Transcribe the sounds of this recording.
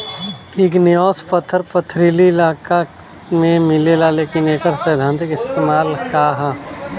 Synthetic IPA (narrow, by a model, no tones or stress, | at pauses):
ɪknɪjɔːspət̪ʰːəɾpət̪ʰːɾiliɪlaːka | mẽmɪlelaleːkɪneːkəɾsəjd̪ʱãːnt̪ɪkɪst̪eːmaːlkaɦa